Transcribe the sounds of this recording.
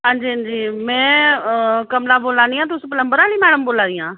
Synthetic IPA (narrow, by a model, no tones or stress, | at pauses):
ɦãːɲd͡ʒiːənd͡ʒiːmɛ̃ː | kəmlaːboːlãːniːãːt̪̬ʊsp̬ələmbəɾaːliːmɛːɽəmboːlãːd̪ɪjãː